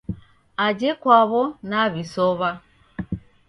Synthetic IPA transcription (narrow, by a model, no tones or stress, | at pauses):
ad͡ʒekwaβɔnaβisɔβa